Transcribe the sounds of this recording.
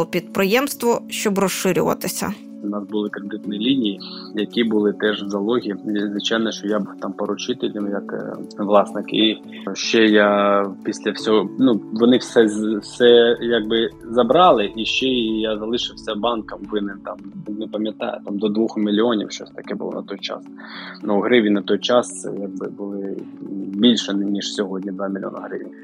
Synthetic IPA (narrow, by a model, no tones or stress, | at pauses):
ɔpʲid̪pɾɪjɛmst̪ʋɔʃt͡ʃɔbrɔʃɪɾʲʊʋɐ̰t̪ɪsʲɐ̰ | ʊnɑsbʊlˠɪkɾed̪ɪt̪nɔilʲinʲiji | jɐkʲibʊlˠɪt̪ɛʒzɐlˠɔɦʲizʋɪt͡ʃajnɐʃt͡ʃɔjabuwt̪ɑmpɐɾʊt͡ʃɪt̪elʲɐmjɐkʋlˠɑsnɪki | ʃt͡ʃɛjapʲisʲlʲɐwsʲɔɦɔnuʋɔnɪsɛsɛjaɡ̚bɪzɐbɾɑlˠɪʔiʃt͡ʃɛijazɐlˠɪʃɪwsʲɐbɑnkɐmʋɪnɪmt̪ɑmnɛpɐmʲjɐt̪ɑ̰jʊ̰t̪ɑmd̪ɔd̪ʋuxmʲilʲiɔnʲḭwʃt͡ʃɔsʲt̪ɐkɛbʊ̰lˠɔ̰nɐ̰t̪ɔjt͡ʃɑ̰s | nuɦɾɪʋʲinɐt̪ɔjt͡ʃɑsjaɡ̚bɪ̰bʊlˠɪ | bʲilʲʃɛnʲiʃsʲɔɦɔdʲnʲid̪ʋɑmʲilʲio̰nɐɦɾɪʋʲi